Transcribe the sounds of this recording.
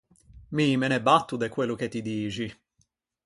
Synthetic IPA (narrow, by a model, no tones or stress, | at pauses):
mimɛnɛbat̪ːud̪ekwelːʊket̪ːid̪iːt͡ʃi